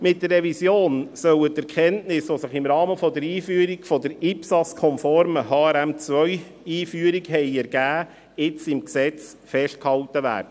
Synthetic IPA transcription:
mɪtdərːɛvisjoːnsœwətɛɾkχɛntnɪsʋosəχɪmɾɑːməfɔdəɾiːfyːɾiɡfɔd̪əɾipsɑskʰɔmfɔɾməɦɑːɛɾæmt͡sʋœʏ | iːfyəɾiɡɦɛɪɛɾɡ̥æː | ɪt͡sɪmksɛt͡s | fɛʃt̚khɑltəʋæ̰ːɾd̥ə

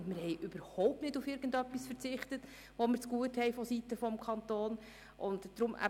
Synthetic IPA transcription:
mɪɾhɛɪʔʏb̥əɾhɔwp̚tnɪdufɪɾɡ̥ən̩dœpːisfəɾt͡sɪχtət | ʋɔməɾt͡sɡ̥uəthɛjfɔsitəfɔmkʰχɑnt̪oːn | ʔʊntd̥ɾʊmʔæ̰

